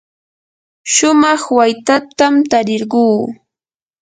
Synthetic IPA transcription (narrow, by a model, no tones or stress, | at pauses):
ʃʊmɑχwajt̪at̪amt̪aɾɪɾɢuː